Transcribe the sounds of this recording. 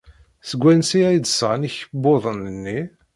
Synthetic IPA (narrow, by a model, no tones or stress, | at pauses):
səɡʷːænsiæjd̪sʁniçəbːoðˤənənːi